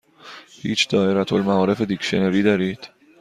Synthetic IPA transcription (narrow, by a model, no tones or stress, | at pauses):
hḭːt͡ʃʰd̪̥ɒːeɾæt̪ʰolmæɒːɾe̞fed̪ikʃeneɾiːd̪ɒːɾiːd̪̥